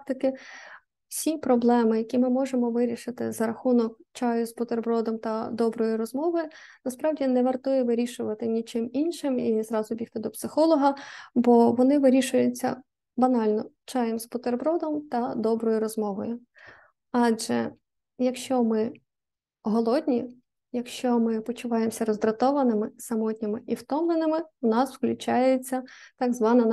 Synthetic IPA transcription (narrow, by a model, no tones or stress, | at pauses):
t̪ɐkɪ | wsʲipɾɔblˠɛmɪjɐkʲimɪmɔʒemɔʋɪɾʲiʃɪt̪ɪ̰zɐɾɐxunɔk̚t͡ʃɑjʊzbʊt̪erbɾɔd̪ɔmt̪ɐd̪ɔbɾɔjiɾɔzmɔʋɔjʊnɐspɾɑwdʲinɛʋɐrt̪ʊjɛʋɪɾʲiʃʊʋɐt̪ɪnʲit͡ʃɪminʃɪmizɾɑzʊbʲixt̪ɪd̪ɔpsɪxɔlˠɔɦɐbɔʋɔnɪʋɪɾʲiʃʊjʊt͡sʲːɐ̰ | bɐnɑlʲnɔ | t͡ʃɑjemspɔt̪erbɾɔd̪ɔmt̪ɐd̪ɔbɾɔjʊɾɔzmɔʋɔjʊ | ɑʒɛ̰ | jɐkʃt͡ʃɔmɪ | ɦɔlˠɔd̪ʲnʲi | jɐkʃt͡ʃɔmɪpɔt͡ʃʊʋɑjemsʲɐɾɔzd̪ɾɐt̪ɔʋɐnɪmɪsɐmɔtʲnʲɪmɪʔiwt̪ɔmnˠenɪmɪwnɑswklʲʊt͡ʃɑjet͡sʲːɐt̪ɐɡzʋɑnɐn